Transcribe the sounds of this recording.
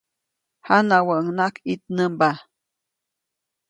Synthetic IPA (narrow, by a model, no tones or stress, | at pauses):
hanawəʔəŋnakit̪̚nəmba